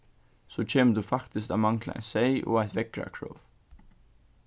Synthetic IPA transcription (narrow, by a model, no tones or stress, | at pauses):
soːc͡çʰeːməd̪ʉːfɑkt̪ɪsk̪ɑːmɑŋkʰlə̰æ̰ɪnseɪʔo̰ːæɪt̪ʋɛkɾɑ̰kʰɹo̰ːʋ